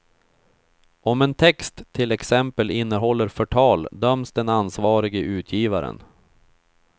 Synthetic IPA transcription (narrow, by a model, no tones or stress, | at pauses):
ɔmɛnt̪ʰɛkst̪ʰːɪlɛksɛmpəlɪnːəɦɔlːəɾfœʈʰɑːld̪œmsd̪ɛnansvɑːɾɪɡəʔʉ̟ːt̪ʰjiːvaɾə̰n